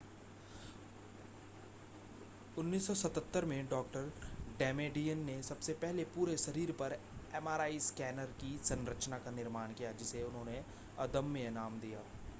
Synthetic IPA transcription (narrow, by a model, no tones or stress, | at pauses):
ʊnːiːsːɔsɐt̪ət̪ːəɾmẽɖɔːk̚ʈəɾɖɛːmeːɖijənːesɐbsepɛɦlepuːɾeʃɐɾiːɾpɐɾ | ɛːmaːɾaːiskɛːnəɾkisɐ̃nɾət͡ʃnakanɪɾmaːnkijad͡ʒɪseʊnɦõːne | ɐd̪əmːẽnaːmd̪ijaː